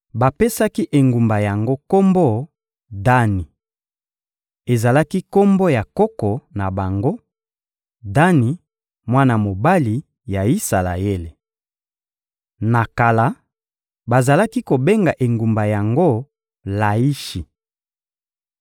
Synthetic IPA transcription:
ba˨pe˦sa˦ki˦ʔe˨ŋɡu˨mba˨ja˨ŋɡo˦ko˦mbɔ˦ | da˦ni˨ | e˨za˨la˦ki˦ko˦mbo˦ja˨kɔ˦kɔ˨na˨ba˨ŋɡo˦ | da˦ni˨ | mwa˦na˨mo˨ba˦li˨ | ja˨i˦sa˨la̰˨je˦le˨ | na˨ka˨la˨˦ | ba˨za˨la˦ki˦ko˨be˦ŋɡa˨ʔe˨ŋɡu˨mba˨ja˨ŋɡo˦ | la˨i˦ʃi˨

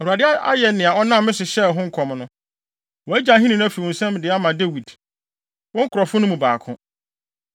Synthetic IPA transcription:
ɔ˨ɾu˨a˨dɪ˦a˦a̰˦jɛ˨nɪ̃˨a˨ɔ˦nã˦mː˦ɪ̃˦sʊ˨ɕɛ˦˨ɦʊ̃˦ŋ̩˦kʰɔ˨mnʊ̃˦ | wɔ˨æ˦d͡ʑã˨˦ɦĩ˦nĩ˨ñ˦æ˦fi˨wɔ̃˨n̩˨sɛ̃˦m˨dɪ˨a˦mã˨de˦wi˨d | wɔ̃˦ŋ̩˦kʰʊ˨ɾɔ˨fʊ˦nʊ̃˦mũ˨ba̰ː˨kʰʊ̃˦

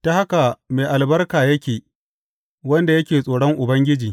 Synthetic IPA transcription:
ta˦ha˦ka˨meː˨ʔa˨lbɐ˦rkaː˨jɐ˦kʲeː˨ | wɐ˦nda˨jɐ˦kʲeː˨sʼoː˨ɽɔ˦ŋʔʊ˨bɐ˦ŋɡʲɪ˦d͡ʒiː˨

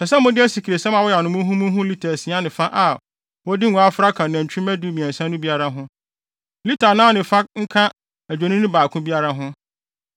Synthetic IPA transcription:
sɛ˨sɛ˦mʊ̃˦dɪ˦æ˦si˨kʰi˨ɾe˨sɛ˦mã˨wɔ˦ja˨nʊ̃˨mʊ̃˦ɦũ˦mʊ̃˦ɦʊ̃˦li˦tʰa˨sɪ̃˨˦a˦nɪ̃˨fa˦ʔa˨ | wɔ˦dɪ˦ŋũ˨˦a˦fɾa˦kʰã˨ñ˨ã˨ɲ̩˨t͡ɕʰᶣu˦mæ˦du˦˨mĩ˨ɛ̃˨n˨sã˦nʊ̃˦bi˦a˦ɾa˦ɦʊ̃˦ | li˦tʰa˨nã˦nɪ̃˨fa˦ŋ̩˦kʰã˦ | æ˨d͡ʑᶣo˨nĩ˦nʊ̃˦baː˨kʰʊ̃˦bi˦a˦ɾa˦ɦʊ̃˦

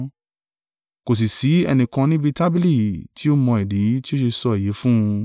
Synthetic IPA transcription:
ko˨s̬i˨si˨˦ɛ̰˧nĩ˨kã˧nĩ˦bi˧ta˦bi˦li˦˨ti˨˦o˦mɔ̃˧ɛ˨di˨˦ti˦o˦ʃe˧sɔ˧ɛ˨je˨˦fũ˦˧

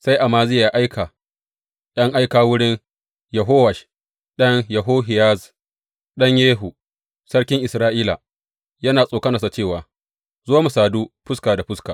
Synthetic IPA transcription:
sa˦jʔa˨maː˦zɪ˦jaː˨ʔa˦jkʰa˨ | ɗɐ˦ŋʔa˦jkaː˨wʊ˦ɽɪ˦n | jɐ˨ɦoː˦wɐ˨ʃ | ɗɐ˦ŋjɐ˨ɦoː˦ɦɪ˨ja˦z | ɗɐ˦ɲjeː˦ɦu˨ | sɐ˦ɽkʲɪ˦ŋʔɪ˨sɾaː˦ʔiː˦la̰˨ | jɐ˦naː˨sʼoː˨kɐ˦nɐ˨sa˨t͡ʃeː˦˨waː˨ | zʊ˦waː˦mu˨saː˨duː˦ɸʊ˦skaː˨da˨ɸʊ˦skaː˨

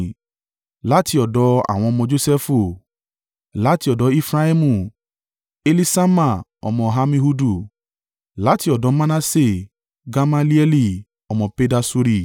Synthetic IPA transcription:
la˨˦ti˧˦ɔ˨dɔ˨˧˦a̰˦˨w̃ɔ̃˧ɔ˧mɔ̃˧d͡ʒo˧˦sɛ˦fu˧˨ | la˨˦ti˧ɔ˨dɔ˨˦e˧fɾa˦i˦mũ˧˨ | e˧li˧sa˦ma˦˨ɔ̰˨mɔ̃˧ɦa˧mĩ˧ɦu˧du˦˨ | la˨˦ti˧ɔ˨dɔ˨˧˦mã˧na˧se˦˨ | ɡa˧ma˧li˦ɛ˧li˧˨ | ɔ˨mɔ̃˧pe˧˦da˧su˧ɾi˧

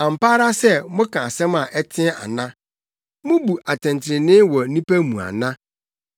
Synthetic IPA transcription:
ã˨m̩˨paː˦ɾa˦sɛ˦mʊ̃˦kʰã˨sɛ̃˦ma˨ʔɛ˦tʰɪ̃˦a̰˨nã˦ | mʊ̃˦bu˨ʔa˨tʰɪ̃˨n˨tʰɪ˨ɪ˨nɪ̃˦wɔ˨nĩ˦pæ˦mũ˨a̰˨nã˦

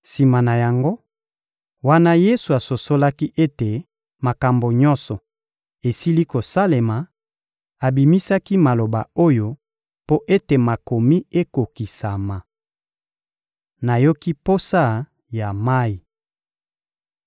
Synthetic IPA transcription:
si˨ma˨na˨ja˨ŋɡo˦ | wa˦na˦je˦su˨a˨so˨so˦la˦ki˦ʔe˦te˨ | ma˨ka˨mbo˨ɲɔ˦nsɔ˨ | e˨si˦li˦ko˨sa˦le˨ma˨ | a˨bi˨mi˦sa˦ki˦ma˨lo˨ba̰˨o˦jo˦ | po˦ʔe˦te˨ma˨ko˨mi˦e˦ko˨ki˨sa˨ma˨ | na˨jo˦ki˦po˦sa˦˨ | ja˨ma˦i˨

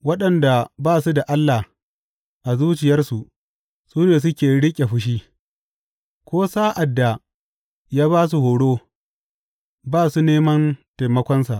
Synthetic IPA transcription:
wɐ˦ɗɐ˨nda˨baː˦˨su˦da˨ʔa˦lːa˨ | ʔa˨zuː˦t͡ʃɪ˨jɐ˦rsu˨ʔ | suː˦neː˨s̬ʊ˦kʲeː˨ɽɪ˦kʲʼe˨ɸʊ˦ʃ̬iː˦ | kʷoː˦saː˦ʔa˨dːa˨ | jaː˦baː˦s̬u˨hoː˨ɽoː˦ | baː˦˨su˦neː˦mɐ˦nta˨jmɐ˦kʷɔ˦nsa˨ʔ

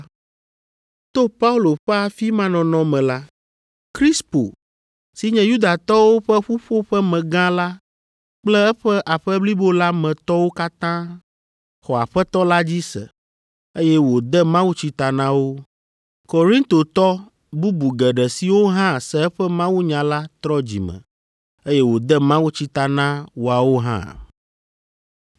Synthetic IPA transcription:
t̪o˦pa˦u˦lo˨ɸɛ˦a˨fi˦mã˦nɔ̃˨nɔ̃˨mɛ̃˨la˦ | kɾi˦spo̰˨ | si˨ɲɛ̃˨ju˦d̪a˨t̪ɔ˦wo˦ɸɛ˦ɸu˦ɸo˦ɸɛ˦mɛ̃˨ɡã˦la˦ | k͡plɛ˦ɛ˦ɸɛ˦ʔa˨ɸɛ˦bli˦bo˦la˦mɛ̃˨t̪ɔ˦wo˦ka˦t̪ã˦ | xɔ˨a̰˨ɸɛ˦t̪ɔ˦la˦d͡ʑi˦sɛ̰˨ | e˦jɛ˦wo˨d̪ɛ˦mã˦wu˦t͡ɕi˦t̪a˨nã˦wo˦ | ko˨ɾĩ˦nt̪o˨t̪ɔ˦ | bu˦bu˨ɡɛ˨ɖɛ˨si˨wo˦ɦã˦sɛ˨ɛ˦ɸɛ˦mã˦wu˦ɲã˨la˦t̪ɾɔ˦d͡ʑḭ˨mə̰̃˨ | e˦jɛ˦wo˨d̪ɛ˦mã˦wu˦t͡ɕi˦t̪a˨nã˦wo˨a˨wo˦ɦã̰˦

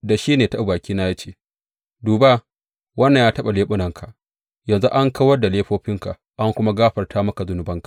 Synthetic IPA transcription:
da˨ʃiː˦neː˨tɐ˦baː˨kʲiː˦na˦jaː˦t͡ʃeː˦˨ | duː˨ba˦ | wɐ˦nː˨ɲjaː˦tɐ˦ɓa˨leː˦ɓʊ˦nɐ˨ŋkʰa˨ʔ | jɐ˨nzu˦ʔa˦ŋka˦wɐ˦rda˨leː˦ɸoː˦ɸɪ˦ŋka˨ʔ | ʔa˦ŋkʷʊ˦ma˦ɡaː˦ɸɐ˨rtʰaː˦mɐ˦ka˨zʊ˦nʊ˦bɐ˦ŋkḁ˨ʔ

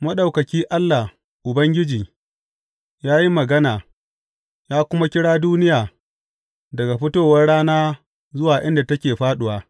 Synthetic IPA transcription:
mɐ˦ɗa˨wkɐ˨kʲiː˦ʔa˦lːa˨h | ʔʊ˨bɐ˦ŋɡʲɪ˦d͡ʒiː˨ | jaː˦ji˦mɐ˨ɡɐ˦naː˨ | jaː˦kʷʊ˦ma˦kʲɪ˦ɽaː˦duː˦nɪ˦jaː˨ | dɐ˨ɡa˨ɸɪ˦toː˦wɐ˦rɽaː˦naː˦ | zʊ˦waː˨ʔɪ˦nda˨tɐ˦kʲeː˨ɸaː˦ɗʊ˨waː˦

